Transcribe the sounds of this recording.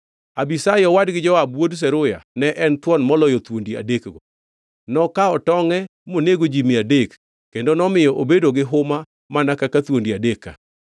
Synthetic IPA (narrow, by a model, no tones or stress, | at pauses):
abisajɔwadɡɪd͡ʒɔwabwods̬ɛɾʊja̰nɛʔɛnt̪wɔnmɔlɔjɔt̪wondia̰dekɡo | nɔkaɔtɔŋɛmoneɡod͡ʒimiadekː | endonɔmɪjɔʔobedoɡɪɦʊma | manakakat̪wondiadeka̰